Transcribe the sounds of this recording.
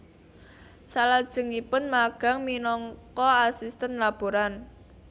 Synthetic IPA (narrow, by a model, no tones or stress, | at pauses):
salad̥ʒ̥ə̤ŋipʊnmaɡ̥a̤ŋminɔŋkɔasist̪ənlab̥o̤ɾan